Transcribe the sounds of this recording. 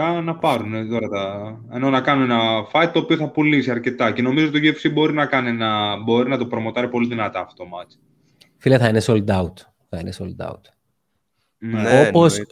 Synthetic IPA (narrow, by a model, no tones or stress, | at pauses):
ɐnɐpɐɾunet̪o̞ɾɐt̪ɐ | eno̞nɐkɐnunenɐfɐjt̪̚t̪o̞ːpio̞θɐpulisiɐɾce̞t̪ɐce̞no̞mizot̪oʝefsibo̞ɾinɐkɐninɐbo̞ɾinɐt̪opɾo̞mo̞t̪ɐɾipo̞liðinɐt̪ɐft̪o̞mɐt͡s | fileθɐinesold̪ɐut̪ | θɐinesold̪ɐ̰ṵt̪ | nopos